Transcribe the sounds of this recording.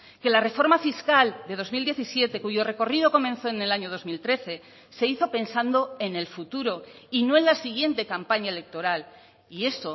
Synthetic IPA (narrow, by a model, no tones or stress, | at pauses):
ke̞lare̞fo̞ɾmafiskald̪e̞ð̞o̞zmild̪jeθisje̞t̪e̞kuʝo̞re̞ko̞riðo̞ko̞mẽ̞nθo̞ene̞laɲo̞ð̞o̞zmilt̪ɾe̞θe̞ | se̞iθo̞pe̞nsand̪o̞e̞ne̞lfut̪uɾo̞ | ino̞enlasiɣje̞nt̪e̞kampaɲaele̞k̚t̪o̞ɾal | ie̞so